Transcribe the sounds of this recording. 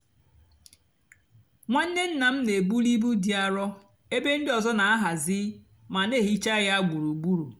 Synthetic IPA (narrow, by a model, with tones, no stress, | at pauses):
ŋʷa˦n̩˦ne˦n̩˦na˨m̩˦ne˨bu˦li˦bu˦di˦a˦ɾɔ˦ | e˦be˦n̩˦dɪ˦ɔ˨zɔ˦na˨a˦ɦa˨zɪ˦ | ma˨ne˦˨ɦi˦t͡ʃa˦ɣa˦a˦ɡʷu˨ɾu˨ɡ͡bu˦ɾu˨